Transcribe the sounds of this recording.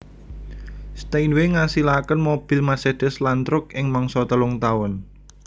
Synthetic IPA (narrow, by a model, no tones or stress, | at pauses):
st̪ejnweŋasilakənmob̥i̤lmaseɖ̥ɛ̤slant̪ɾʊkɪŋmaŋsɔt̪əlʊŋt̪awʊn